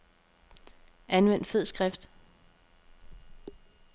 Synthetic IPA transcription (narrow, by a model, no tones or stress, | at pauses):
ʔænʋen̰d̥fe̝ð̞̰ˠsɡ̥ʁafd̥